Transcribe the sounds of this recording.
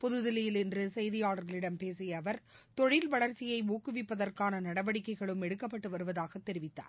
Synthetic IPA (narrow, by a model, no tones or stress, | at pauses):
pɔðɯðɪlɐjɪlɛndrɯsɛjðɪjaːɭɐɾɣɐɭɪɽɐmpeːsɪjɐːʋɐɾ | t̪ɔɻɪlʋɐɭɐɾt͡ʃːɪjɐɪuːkɯʋɪpːɐðɐrkaːnɐnɐɽɐʋɐɽɪkːɐɪɣɐɭɯmɛɽɯkːɐpːɐʈːɯʋɐɾɯʋɐðaːɣɐt̪ːɛɾɪʋɪt̪ːa̰ːɾ